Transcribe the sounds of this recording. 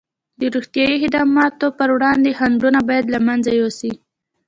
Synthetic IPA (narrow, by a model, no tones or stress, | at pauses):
d̪əɾuxt̪jɑjihɪd̪ɑmɑt̪opəɾwɽɑnd̪ehaɳɖunabɑjad̪lamanzajosi